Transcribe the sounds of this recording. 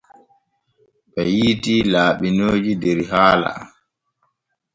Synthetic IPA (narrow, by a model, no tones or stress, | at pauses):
ɓɛjiːtilaːɓinoːd͡ʒidɛɾhaːla̰